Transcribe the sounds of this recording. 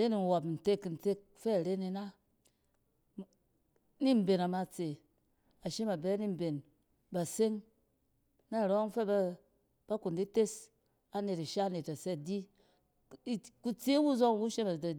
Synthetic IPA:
ɾe˦ni˨wa˨pn̩˨te˦kːi˨n̩˨te˦k̚ | fɛ˦˨ɾe˦ni˧na˦ | ni˦m˦be˨na˨ma˨t͡se˨ | a˨ʃe˦ma˨bɛ˦ni˦m˨be˨n | ba˨se˦ŋ | na˦˨ɾo˦ŋ˦fɛ˦ba˦ | b̥a˦ku˨ndi˦te˦s | a˨ne˨ta˨ʃa˦ne˨ta˨se˦di˦ | i˨ku˦t͡se˦wu˦zo˦ŋ˦wu˦ʃe˦ma˨da˨˦

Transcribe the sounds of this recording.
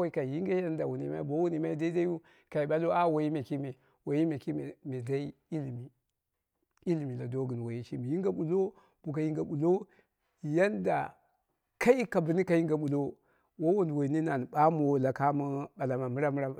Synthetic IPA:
ka˨ji˦ŋɡa˦ja˦nda˨wu˨nḭ˨ma̰˦i˦bo˦wu˦ni˨ma˦i˦da˦i˦da˦u˦ | ka˨i˨ɓa˦lo˦a˦wa˨ji˦me˨ki˦me˨ | wa˨ji˦me˨ki˦˨me˨da˦i˦i˦li˨mi˨ | i˦li˨mi˨la˨do˦ɡu˨n˨wo˨ji˦ʃi˦mi˨ji˦ŋɡa˦ɓu˨lo˦ | b̥u˨ka˨ji˦ŋɡa˨ɓu˨lo˦˨ | ja˦nda̰˨ | ka˦i˦ka˨bu˨ni˦ka˨ji˦ŋɡa˨ɓu˨lo˦ | wo˦wu˦ndwo˨i˨ni˦na˨n˨ɓa˦m˦o˨˦la˨ka˦mu˦ɓa˨la˨ma˨mu˦ɾa˦mu˦ɾa˨

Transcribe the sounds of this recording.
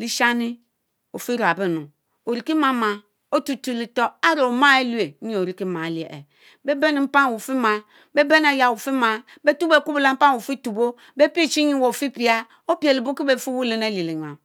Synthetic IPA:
li˦ʃa˦ni˦ | o˨fi˦ɾo˨a˨be˦nu˨ | o˨ɾi˨ki˦ma˦ma˨ | o˦tu˦tu˦˨li˨to˦a˦ɾo˨ma˦e˦lu˦e˨˦ɲi˦o˨ɾi˦ki˦ma˨˦li˨ḛ˨ḛ˨ | be˦be˦ni˨m̩˦pa˦n˨wu˨fi˦ma˨ | be˦be˦n˦a˨ja˨wu˨fi˦ma˨ | be˦tu˦be˨ku˦bu˨la˨˦m̩˦pa˦nwu˨fi˦tu˨bo˦ | be˦pi˦˨t͡ʃi˦ɲi˦wo˨fi˦pi˨˦a˦ | o˦pi˦e˨li˨bo˦ki˦be˨fi˦wu˦le˨ne˦li˨li˨na˨

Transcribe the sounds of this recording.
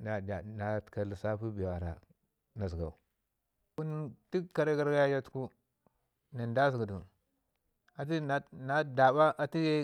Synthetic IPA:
na˨da˨nḁ˨˦˨ka˨li˨sa˦pu˦bi˨a˨ɾa̰˨ | na˨zi˨ɡa̰˨u˨ | u˦nti˦kːa˨ɾe˦ɡa˦ɾɡa˦ja˦d͡ʒa˦tku˦ | na˨nda˦zi˨ɡa˨du˨ | a˨ti˦na˨na˨da˨ba˦ʔa˨ti˦je˦

